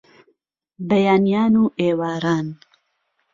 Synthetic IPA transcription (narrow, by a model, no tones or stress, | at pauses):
bɐjaːnijaːnuːʔeːwaːɾaːn